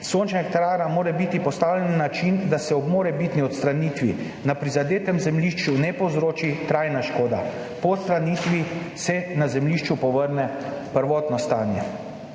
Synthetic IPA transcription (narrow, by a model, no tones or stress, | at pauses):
sont͡ʃnɛkt̪aɾaːɾamoːɾɛbit̪ipɔst̪aːwlɛnːat͡ʃind̪asɛɔbmoːɾɛbit̪niɔt̪st̪ɾaniːt̪ʋḭ | napɾizad̪eːt̪ɛmzɛmliʃt͡ʃunɛpowzɾoːt͡ʃit̪ɾajnaʃkoːd̪a̰ | pɔt̪st̪ɾaniːt̪ʋisɛnazɛmliːʃt͡ʃupɔʋəɾnɛ | pəɾʋɔːt̪nɔst̪aːnjɛ